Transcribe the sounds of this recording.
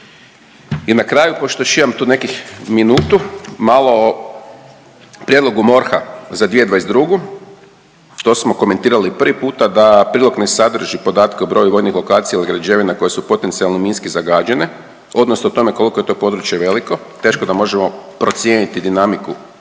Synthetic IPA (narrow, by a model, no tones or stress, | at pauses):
inakɾaːjupoʃt̪oʃijamt̪uːne̞kixminuːt̪umalˠo̞o | pɾʲjed̪lo̞ɡumo̞ɾxazad̪ʋied̪ʋaesd̪ɾuɡu | t̪o̞ːsmo̞ko̞me̞nt̪iːɾalipr̩ʋipuːt̪ad̪apɾiːlˠoknesad̪r̩ʒipo̞d̪aːt̪keubɾo̞juʋo̞jnixlo̞kaːt̪sijailiɡɾad͡ʒe̞ʋinako̞je̞supo̞t̪ensialˠnominskizaɡaːd͡ʑene̞ | o̞d̪nosnoot̪o̞meko̞liko̞je̞t̪o̞ːpo̞d̪ɾut͡ʃje̞ʋe̞liko̞t̪e̞ːʃkod̪amo̞ʒemo̞pɾo̞t̪sjenit̪id̪inamiku